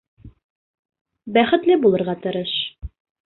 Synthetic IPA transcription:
bæχɘ̆t̪lɘbulˠɤ̆ɾʁɑt̪ɤ̆ɾɤʃ

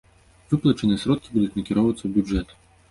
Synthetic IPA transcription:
vɨplˠɐt͡ʂɨnɨjɛsɾɔt̪̚kʲibud̪ut͡sʲnɐkʲiɾɔwvɐt̪sːɐwbʲjud͡ʐɛt̪

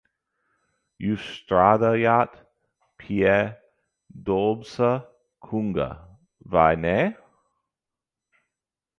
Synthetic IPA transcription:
justɾadəjat | pʰiɛ | doːbsə | kʰuŋɡə̰ | va̰jnɛ

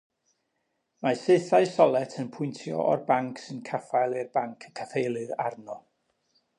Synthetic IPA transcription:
masɨθaɨsɔlˠɛtʰənpʰʊjntʰjɔ̰ʔɔ̰rbaŋkʰsɨnkʰafajlˠɨrbaŋkʰəkʰaθejlˠɨra̰rnɔ

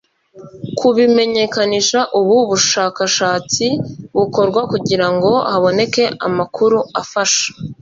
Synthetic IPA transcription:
kʰuβime̞ɲe̞kaniʃaʔuβuβuʃaːkaʃaːt͡siβuko̞ɾɡwakuɟiɾaŋɡo̞haβo̞ne̞ke̞ʔa̰makʰuɾuafaʃḁ

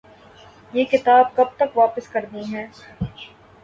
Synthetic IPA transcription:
jeːkɪt̪aːb̚kɐb̚t̪ɐkʋaːpəskɐɾniɦɛ̃ː

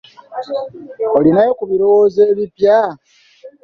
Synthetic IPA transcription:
olinajo̞kuβiɾo̞wo̞ːze̞ːβipja

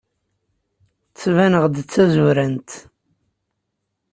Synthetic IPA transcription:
t͡sːvænəʁd̪ət͡sːæzuɾænt̪

